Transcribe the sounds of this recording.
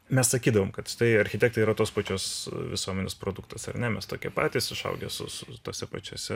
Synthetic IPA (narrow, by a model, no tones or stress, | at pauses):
mʲɛssɐkʲiːd̪ɐʋoːmkɐt̪ʃɪ̥t̪ɐɪɐɾʲxʲɪt̪ʲɛːk̚t̪ɐɪiːɾɐt̪oːspɑːt͡ʃʲoːsʋʲɪsuɔmʲɛnʲeːspɾoːd̪ʊkt̪ɐsɐ̰rnʲɛmʲɛst̪oːkʲɛ̰pɑ̰ːt̪ʲiːsɪʃɐ̰ʊɡʲɛ̰sʊ̰sʊt̪oːsʲɛpɐ̰t͡ʃʲuɔsʲɛ